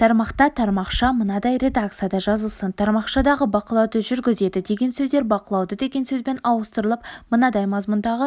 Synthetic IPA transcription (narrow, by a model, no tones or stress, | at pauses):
t̪ʰɑɾmɑqt̪ɑt̪ʰɑɾmɑqʃɑmənɑd̪ɑjɾe̞d̪ak̚t̪sijad̪ɑʒɑzəlˠsənt̪ʰɑɾmɑqʃɑd̪ɑʁəbɑqəlˠɑwd̪əʒʏɾɡʲɪze̞d̪ɪd̪e̞ɡʲe̞nsɵzd̪eɾbɑqəlˠɑwd̪əd̪e̞ɡʲe̞nsɵzbe̞nɑwəst̪əɾəlˠəp̚mənɑd̪ɑjmɑzmʊnd̪ɑʁə